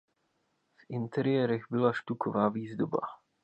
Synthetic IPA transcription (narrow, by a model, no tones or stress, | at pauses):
v̥int̪ɛɾijɛːɾɛɣbɪlaʃt̪ukʰɔvaːviːzd̪oba̰